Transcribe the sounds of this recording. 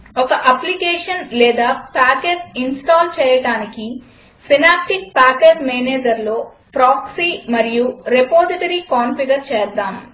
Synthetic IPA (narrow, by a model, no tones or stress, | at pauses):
ɔkɐʔɐplikeːʂɐnlɛːd̪aːpaːkeːʈsinsʈaːlt͡ʃɛːjɐɽaːniki | sinaːp̚ʈik̚paːkeːɖmeːneːd͡ʒɐɾlo̞ː | pɾaːksiːmɐɾijuɾepoːsiʈɐɾiːkaːnfiɡɐɾt͡ʃɛːɾd̪aːm